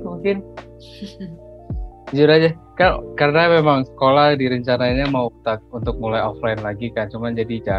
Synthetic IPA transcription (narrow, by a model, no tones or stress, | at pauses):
muŋkɪn | d͡ʒuɾad͡ʒakankarənamemaŋsə̥kolahdiɾəɲt͡ʃanainɲamaut̪ak̚unt̪ʊk̚mulajɔflaɪnlaɡikant͡ʃumand͡ʒadid͡ʒa